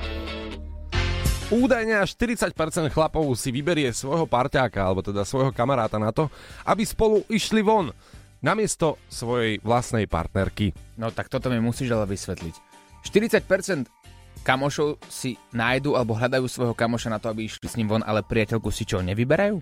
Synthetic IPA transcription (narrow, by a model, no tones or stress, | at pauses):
uːd̪ajɲɛaʃt̪iɾit͡sac̚pɛɾt͡sɛnt̪xlapɔʊsiʋibɛɾɪɛsʋɔjɦɔpaɾcaːkaalɛbɔt̪ɛd̪asʋɔjɦɔkamaɾaːt̪anat̪ɔʔabispɔluʔiʃliʋɔnː | amɪɛst̪ɔsʋɔjɛjʋlast̪nɛjpa̰ɾt̪nɛɾkinɔt̪ak̚t̪ɔt̪ɔmimusiːʒalaʋisʋɛt̪lḭc | ʃt̪iɾit͡sac̚pɛɾt͡sɛnt̪ | kamɔʃɔʊsinaːjd̪uːalɛbɔɦʎad̪ajuːsʋɔjɦɔkamɔʃanat̪ɔabiiʃlisɲiːmʋɔnʔa̰lɛpɾiacɛʎkusit͡ʃɔɲɛʋibɛɾajuː